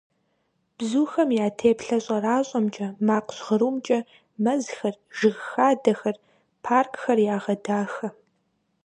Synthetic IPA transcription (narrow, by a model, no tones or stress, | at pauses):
b̥zuːxɐmjaːtʰeːpɬɐɕʼɐraːɕʼɐmt͡ʃʼɐmaːqɕʁəɾuːmt͡ʃʼɐ | mɐzxɐrʒɪɣxaːdɐxɐr | pʰaːrkʰxɐrjaːʁɐdaːxɐ